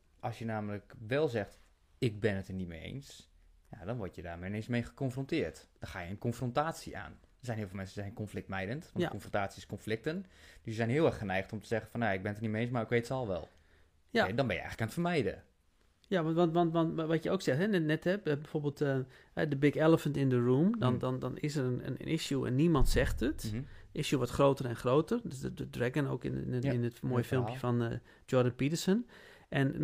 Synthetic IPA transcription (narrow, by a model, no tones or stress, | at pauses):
ʔɔsjənaːmələkʋɛlˠzɛxt | ɪk̚bɪnətənitmeḛːns | jadɔnʋɔtjədaːrmenensmejχə̥kɔnfrɔntɪərtd̥ɔxaːjəənkɔnfrɔntaːsiʔa̰ːn | dɔsɛjnɦiəfɪlˠmɛnsənzɛənkɔnflɪk̚tmɛjdəntʋɔntkɔnfrontaːsiɪskonflɪk̚tənd̥əsəzɛjnɦɪəɛrxχənɛjxtɔmtəz̥ɛɣənfɔnjaɪɡ̚bɪnətərnimeeːnsmarɪkʋeːtsɔlˠʋɛ̰lˠ | dɔnbɪnjəɛ̰xələkaːnətfərmɛjdə̰ | jaʋɑntʋɔntʋɔntʋɔtjəoːksɛxtɦɛnɛnɛthɛpbɛfoːbeːlˠtə | hɛ̰dəbɪkɛlˠəfəntɪndəɹũːmdɔndɔndɔnɪ̰sərənə̰n̰ʔɪ̰sjuɛ̰nːimɔntsɛxtətɪsjuʋɔtχroːtərɛnxroːtərdsədədrɛɡəno̰ːkɪ̰nɪnətmoːjəfɪlˠmpjəfɔn | d͡ʒɔɹdənpitəɹsən | ʔɛn